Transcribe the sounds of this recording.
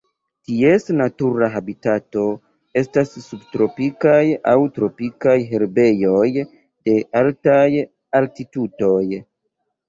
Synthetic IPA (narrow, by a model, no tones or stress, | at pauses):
tie̞snatuɾaɦabitato̞ | e̞stasːub̚tɾo̞pikajawtɾo̞pikajɦe̞ɾbe̞jo̞j | de̞altaj | altituto̞j